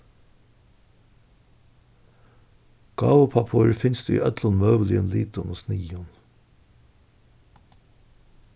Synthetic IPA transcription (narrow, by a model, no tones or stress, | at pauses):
ɡ̥ɑːʋʊpʰɑpʰoːɾfɪnsd̪ʉ̰ːḭːʔœt̪lʊnmœːʋəlɪənliːt̪ʊno̰ːsniːʊn